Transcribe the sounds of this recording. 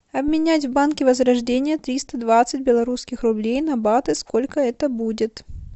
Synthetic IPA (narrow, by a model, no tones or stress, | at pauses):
ɐbmʲɪnʲætʲvbankʲɪvəzɾɐʐdʲenʲɪjət̪ɾʲist̪əd̪vat̪sɨt̚ʲbʲɪlˠɐɾuskʲɪxrʊblʲejnɐbat̪ɨskolʲkəɛt̪əbudʲɪt̪